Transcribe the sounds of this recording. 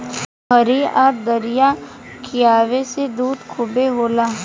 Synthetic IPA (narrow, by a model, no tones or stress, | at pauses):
ɦɐɾiɔːɾd̪ɐɾijakʰijaːʋesed̪uːd̪kʰʊbeɦoːlaː